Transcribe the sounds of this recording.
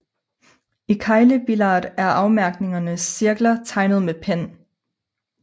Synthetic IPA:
ikʰɑ̈ɪləb̥ilɑːd̥æɐʔɑ̈ʊmæɐɡ̥ne̝ŋɐnəsːiɐɡ̥lɐt͡sʰɑ̈ɪnəð̞̩ˠmepʰen

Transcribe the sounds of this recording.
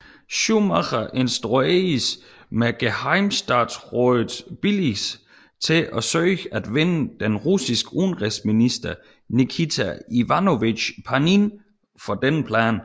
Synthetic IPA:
ɕumɑχɑʔe̝nsd̥ʁues | meɡ̥ehɑɪmsd̥ɑ̈ːd̥sʁɔð̩ˠb̥ilis | t͡sʰe̝ʔɒsøːæd̥ʋenəd̥enʁusisɡ̥əuːn̩ʁɛsminisd̥ɐ | nikʰit͡sʰæiʋænoʋi̥pʰɑnin | fɒ̽d̥enəpʰlæ̰ːn

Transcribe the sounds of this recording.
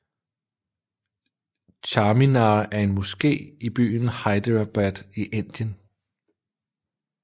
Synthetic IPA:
t͡ɕʰɑːminɑːʔæɐe̝nmusɡ̥e̝̰ːib̥y̰ːnhɑ̈ɪd̥əʁab̥æd̥iʔe̝n̰d̥jən

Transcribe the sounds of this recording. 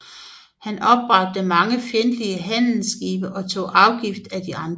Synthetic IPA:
hænʔɒ̽b̥ʁɑ̈d̥̚ːəmɑ̈ŋəfjend̥liəɦæn̰l̩sɡ̥ḭːb̥ɐʔɒ̽t͡sʰo̝̰ːʔɑ̈ʊɡ̥ifd̥æd̥iɑ̈nd̥

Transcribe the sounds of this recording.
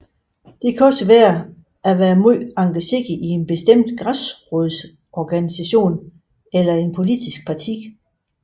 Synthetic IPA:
d̥e̝kʰæɒ̽səʋæːɐ | æʋæːɐmɑ̈ŋɡ̥əse̝ɡ̥ie̝nb̥e̝sd̥em̰d̥ɡ̥ʁasʁɔðˠs | ɒɡ̥ænisæɕo̝̰ːn | elɐe̝npʰo̝lid̥isɡ̥̚pʰɑ̈t͡sʰiɡ

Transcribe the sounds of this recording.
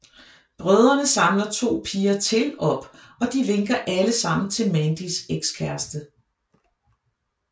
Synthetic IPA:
b̥ʁœð̞ˠɐnəsɑ̈mlɐt͡sʰo̝̰ːpʰiːɐt͡sʰe̝lɒ̽b̥ɒ̽d̥iʋe̝ŋɡ̥ɐʔæləsɑ̈m̰n̩t͡sʰe̝lmænd̥iseɡ̥skʰæɐsd̥ə

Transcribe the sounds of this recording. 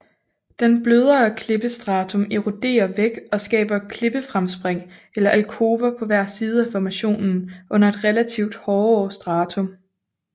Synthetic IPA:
d̥enb̥løð̞ˠɐːkʰle̝b̥əsd̥ʁɑ̈ːt͡sʰo̽meʁud̥e̝̰ːɐʋeɡ̥ɒ̽sɡ̥ɛ̰ːb̥ɐkʰle̝b̥əfʁamsb̥ʁeŋ̰elɐʔælkʰo̝ːb̥ɐpʰɒ̽ʋæɐ̰siːð̞̩ˠəæfɒmæɕo̝̰ːnn̩ʔɔ̽n̰ɐe̝d̥ʁelæt͡sʰiʊd̥hɒːɒːsd̥ʁɑ̈ːt͡sʰɔ̽m

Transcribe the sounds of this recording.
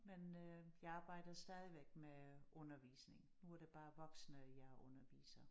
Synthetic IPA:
menøjɑ̈ɪɑ̈ːb̥ɑ̈ɪ̰d̥ɐsd̥ɛːð̞ˠiʋeɡ̥̚meʔɔ̽nɐʋḭːsne̝ŋnuæɐɾ̥e̝b̥ɑ̈ːʋɒ̽ɡ̥snəjɑ̈ɪʔɔ̽nɐʋḭːsɐ

